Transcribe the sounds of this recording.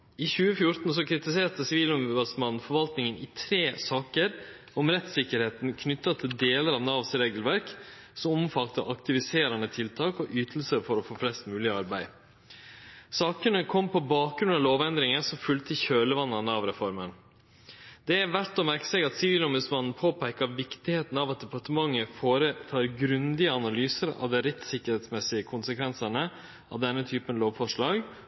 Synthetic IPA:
ɪçʉːəfjʊɾt̪n̩s̬ɔkʰɾɪt̪ɪseːt̪əsɪʋiːlɔməsmɑnn̩fɔɾʋɑlt̪nɪŋənɪt̪ʰɾeːsɑːkəɾ | ɔmɾɛt̪sɪkəɾheːt̪nkʰnʏt̪ːɑt̪ʰɪld̪eːləɾɑʋnɑʋsəɾeːɡəlʋæɾksɔmɔmfɑkt̪əʔɑkt̪ɪʋɪseːɾəɳət̪ʰɪlt̪ʰɑːkɔʔyːt̪ʰəl̩səɾfɔɾɔfoːflɛst̪mʉːlɪɑɾbæɪ | sɑːkənəkʰɔmpʰɔbɑːk̚ɾʉnɑloːʋɛnd̪ɾɪŋəsɔmfʉlt̪ʰəçøːləʋɑnɑnəɑʋɾɛfɔɾmən | d̪̥ɛæʋæɾt̪ɔmæɾksɛɡɑt̪sɪʋiːlɔmʉsmɑnn̩pʰoːpæɪkɑʋɪkt̪ɪheːt̪n̩ɑʋɑt̪̚d̪ɛpɑʈəmɑŋːəfoːɾət̪ʰɑːɾɡɾʉnd̪ɪəɑnɑlyːsəɾɑ̰ʋd̪æɪɾɛt̪sɪkːəɾheːt̪smɛsɪəkʰʊnsəkʰʋɛnsɑɳə | ʔɑ̰ʋd̪ɛnːət̪ʰyːpənloːʋfɔʂɭɑːɡ

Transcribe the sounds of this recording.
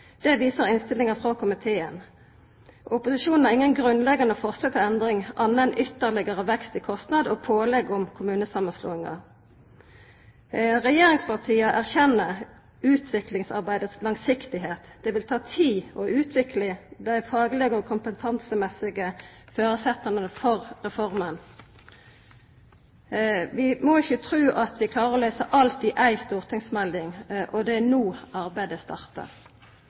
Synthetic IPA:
d̪̥ɛʋiːsəʁɪnst̪ɪlɪŋəfʁɑkʰʊmɪt̪ʰeːən | ʔʊpʊsɪʃuːnn̩æʁɪŋːənɡʁʉnlɛɡɑnəfɔʁsɛt̪ːɛnd̪ʁɪŋɑnːəɛnʔʏt̪ːəʁlɪɡəʁəʋɛkst̪ɪkʰɔst̪nɑd̪ɔːpʰoːlɛɡʊmkʰʊmʉːnəsɑmːənslo̰ːɪŋɑ̰ | ʁɛjeːʁɪŋspʰɑʁt̪ʰiːəʔæʁçɛnːə | ʉːt̪ʰʋɪklɪŋsɑ̰ʁbæɪd̪ət̪slɑŋsɪkt̪ɪɦeːt̪d̪̥ɛʋɪlt̪ʰɑːt̪ʰiːɔʔʉːt̪ʰʋɪklɪd̪æɪfɑːɡəlɛɡəɔkʰʊmpənt̪ʰɑnsəmɛsɪɡəføːʁəsɛt̪ːɑnənəfɔʁʁɛfɔʁmən | ʋɪmoːɪçət̪ʰʁʉːʔɑt̪ʰʋɪkʰlɑːɾəʁɔløːsəʔɑlt̪ɪʔæɪst̪uːʁt̪ʰɪŋsmɛld̪ɪŋʔɔd̪ɛnuːʔɑʁbæɪd̪əst̪ɑ̰ʁt̪ə̰

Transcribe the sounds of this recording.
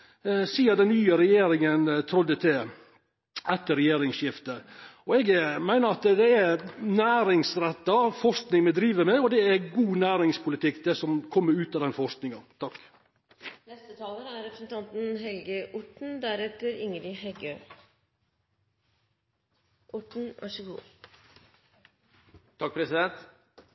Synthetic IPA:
siːəd̪ɛnnyːəɾɛjeːɾɪŋənt̪ʰɾɔld̪ət̪ʰɛ | ʔɛt̪ːəɾɛjeːɾɪŋsjɪft̪əɔɛɡmæɪnəɾɑt̪d̪ɛænæːɾɪŋsɾɛt̪ːɑfɔʂknɪŋmɛd̪ɾiːʋəɾmɛɔd̪ɛæɡuːnæːɾɪŋspʰʊlɪt̪ʰɪkːd̪ɛsɔmkʰɔmːəɾʉːt̪ɑd̪ɛnfɔʂknɪŋɑt̪ʰɑkː | nɛst̪ət̪ʰɑːləɾæɾɛpɾəsn̩t̪ʰɑnt̪n̩ɦɛlɡəʔʊʈɳ̩d̪æɾɛt̪ːəɾɪŋɾɪhɛɡøː | ʔʊʈɳ̩ʋʔɑ̰ʂɡṵː | t̪ʰɑk̚pʰɾɛsɪd̪ɛnt̪

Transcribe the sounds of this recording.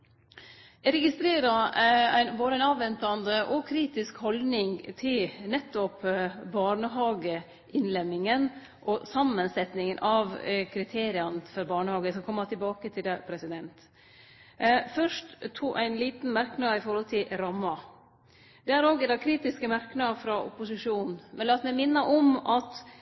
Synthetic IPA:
ɛɾɛɡɪst̪ɾeːɾɑæɪnboːd̪əæɪnɑːʋʋɛnt̪ɑnd̪əʔɔkʰɾiːt̪ɪskhɔlnɪŋt̪ʰɪlnɛt̪ːɔpbɑːɳəɦɑːɡə | ʔɪnlɛmːɪŋən | ʔɔsɑmːənsɛt̪nɪŋənʔɑʋkʰɾɪt̪ʰeːɾɪɑnəfɔɾbɑːɳəhɑːɡəsɔkʰɔmːɑt̪ʰɪlbɑːkət̪ʰɪld̪ɛpʰɾɛsɪd̪ɛnt̪ | fœʂtt̪ʰːuæ̰ɪnliːt̪n̩mæɾknɑɾɪfɔɾhɔlt̪ʰɪlɾɑmːɑ | d̪̥ɛæɾoːɡɛd̪ɑkʰɾiːt̪ɪskəmæɾknɑfɾɑʔʊ̰pʊsɪʂuːnnmʔɛnlɑːt̪mɛɪmɪnːɑʔɔmɑt̪

